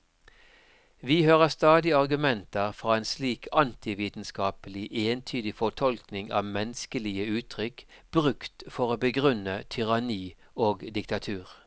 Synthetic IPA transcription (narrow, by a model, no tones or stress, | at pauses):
ʋiːhøːʁəst̪ɑːd̪ɪɑʁɡʉmɛnt̪əʁfʁɑːeːnsliːkʰɑnt̪ɪʋiːt̪n̩skɑːpəlɪʔeːnt̪ʰyːd̪ɪfɔt̪ʰɔlknɪŋɑ̰ːʋmɛnskəlɪəʉːt̪ʰʁʏkb̥ʁʉkt̪fɔʁoːbəɡʁʉnət̪ʰʏʁɑniː | oːɡd̪ɪkt̪ɑt̪ʰʉːʁ